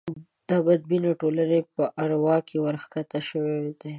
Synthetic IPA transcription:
d̪̥abad̪̚binoʈolanepəʔaɾwɑkewəɾxkat̪aʃəwed̪e

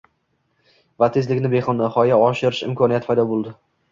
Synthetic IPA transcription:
vat̪ʰezlɪkʲnɪbeχɒnd̪aχɒjaɒʃɪɾɪʃɪ̰mkʰɒniat̪pʰajd̪ɒbolˠd̪ɪ

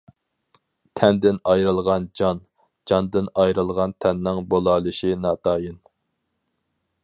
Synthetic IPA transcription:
t̪ʰɛnd̪ɪnɑjɾɨlˠʁɑnd͡ʒɑn | d͡ʒɑnd̪ɪnɑjɾɨlˠʁɑnt̪ʰɛnːɪŋbolˠɑːlˠɨʃinɑːt̪ʰɑːjɨn

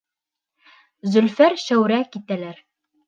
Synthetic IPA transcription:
zɵ̆lfæɾʃæwɾækit̪ælæɾ

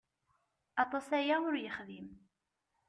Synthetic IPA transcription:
ɑt̪ˤɑsæjæʊɾjəχðim

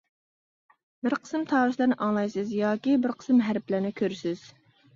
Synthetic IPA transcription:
bɪɾqʰə̥sɨmt̪ʰɑːɾɨslɪɾnɪʔɑŋlˠɑjsɨzjɑːkʲibɪɾqʰə̥smɦæɾplæɾnɪkʲʰøɾsɪz̥

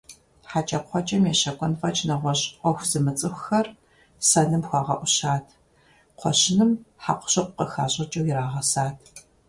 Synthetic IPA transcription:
ħat͡ʃʼɐpʷɔt͡ʃʼɐmjeɕɐkʷʼɔnfɐt͡ʃʰʼnɐʁʷɔɕʼqʷɔxʷz̥ɨmɨt͡sʼɨxʷxɐr | sɐɮɨmxʷɑːʁɐʔʷʊɕaːtʰ | qʷʰɔɕɪnɨmħaqʷʊ̥ɕɐqʷʊqəxa̰ːɕʼɐt͡ʃʼɐwjɪɾaːʁɐsaːtʰ

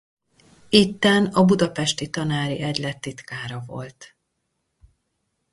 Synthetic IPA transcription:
it̪ːɛnɒbud̪ɒpɛʃt̪it̪ɒnaːɾḭʔɛɟlɛt̪ːit̪kaːɾɒvo̞̰lt̪

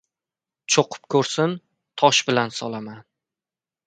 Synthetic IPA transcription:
t͡ʃʰoqʰʊ̥p̚kʰɵɾsɪn | t̪ʰɒʃbɪlansɒlaman

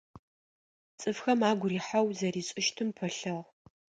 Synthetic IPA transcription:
t͡sʼɨfxɐmaːɡʷʊɾiːħawzɐɾiːɕʼɪʃtʰɨmpʰɐɬɐʁ

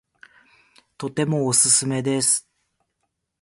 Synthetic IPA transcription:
t̪o̞t̪e̞mo̞ːsɨsɨme̞d̪e̞sɨ̥

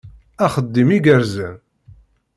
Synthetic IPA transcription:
æχəd̪ːimiɡəɾzæn

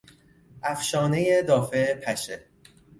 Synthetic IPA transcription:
ʔæfʃɒːnejed̪ɒːfepʰæʃe

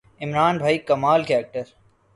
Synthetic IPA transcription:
ɪmɾaːnbʱaːikɐmaːlkaːk̚ʈəɾ

